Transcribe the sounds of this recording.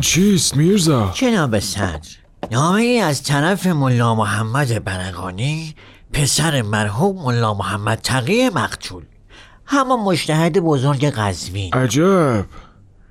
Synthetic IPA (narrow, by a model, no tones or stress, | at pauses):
t͡ʃʰist̪miɾzɒt͡ʃʰenɒːbesæ̰nd̪ɾ | nɒːme̞iːæzt̪ʰæɾæfemolːɒːmoɦæmːæd̪ebæɾæɣɒ̰ːniː | pʰe̞sæɾemæɾɦuːbmolːɒːmohæmːæd̪̥̚t̪ʰæɣiːjemæqt̪ʰuːl | hæmːɒːmod͡ʒt̪ʰæhed̪ebozoɾɡeɣæzviːnæd͡ʒæb̥